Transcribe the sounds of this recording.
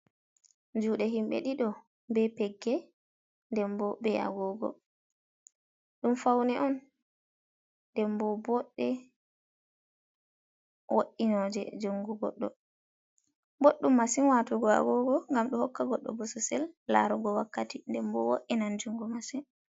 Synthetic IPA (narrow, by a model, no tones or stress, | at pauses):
d͡ʒuːɗɛɦimɓɛ̰ɗiɗɔ | bɛpɛɡːɛ | ndɛmbɔbɛʔa̰ɡɔɡɔ̰ | ɗumfawnɛʔɔn | ndɛmbɔbɔɗːɛ | wʔoʔːinɔd͡ʒɛ̰d͡ʒoŋɡuɡɔ̰ɗːɔ̰ | boɗːumːasinwatɔɡɔa̰ɡɔɡɔŋɡamɗɔhɔkːaɡɔɗːɔ̰bɔsɔsɛlːa̰ɾɔɡɔwakːatindɛmbɔwoʔːinand͡ʒuŋɡɔmasin